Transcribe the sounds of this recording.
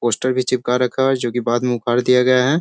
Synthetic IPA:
poːsʈəɾbʱit͡ʃɪp̚kaɾɐkʰad͡ʒoːkibaːd̪mẽʊkʰaːɾd̪ijaɡɐjaɦɛː

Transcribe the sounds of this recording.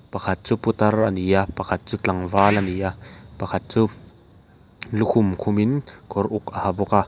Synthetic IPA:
pɐkʰɐt̪̚t͡suput̪ɐrɐniapɐkʰɐt̪̚t͡sutɐŋvaːlɐnijapɐkʰɐt̪̚t͡su | lukʰumkʰʊminkɔɾʔukɐhabɔka

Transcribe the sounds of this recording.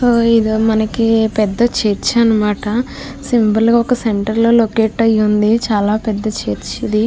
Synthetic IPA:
soːid̪imɐnɐkipɛd̪ːɐt͡ʃeːɾt͡ʃɐnɐmaːʈɐ | simbɐlɡɔkɐseɳʈɐɾlo̞ːlokeːʈɐjːund̪it͡ʃaːlaːpɛd̪ːɐt͡ʃeːɾt͡ʃid̪i

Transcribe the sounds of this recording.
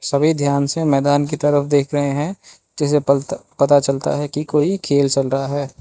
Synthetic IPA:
sɐbʱid̪ʱjaːnsemɛːd̪aːnk̬it̪ɐɾəfd̪eːkʰɾɐɦẽɦɛ̃ | d͡ʒɪsepɐt̪at͡ʃɐlt̪a̰ɦɛkikoːikʰeːlt͡ʃɐlɾɐɦaɦɛː

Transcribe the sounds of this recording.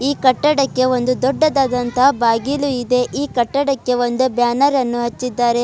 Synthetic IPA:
iːkɐʈːɐɽɐkːe̞o̞nd̪ud̪ɔɖːɐd̪aːd̪ɐnt̪ɐbaːɡiluid̪e̞ʔiːkɐʈːɐɽɐkːe̞ʋo̞nd̪ubjaːnɐɾɐnːuɦɐt͡ʃːid̪ːaːɾe̞

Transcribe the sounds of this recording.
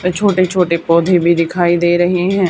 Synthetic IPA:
t̪eːt͡ʃʰoːʈeːt͡ʃʰoːʈeːpoːd̪ʱeːbiːd̪ɪkʰaːiːd̪eːɾəɦeːɦɛ̃ː

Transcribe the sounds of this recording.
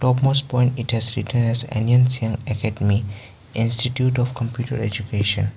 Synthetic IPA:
ʈɔpmosʈ̚pɔ̃ɪ̃ɳʈiʈhɛzɾḭʈə̃nɛzɛ̰̃niə̃nsiə̃ŋɛkɛɖemi | ʔĩnsʈiʈjuʈɔfkə̃mpjuːʈə̰ɾḛd͡ʒukeːʃə̰̃n

